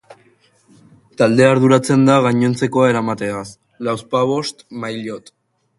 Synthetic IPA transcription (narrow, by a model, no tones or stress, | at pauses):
t̪ald̪e̞aɾðuɾat͡se̞nd̪aɣaɲo̞nt͡se̞ko̞ae̞ɾamat̪e̞as | lawspaβo̞st̪majʎot̪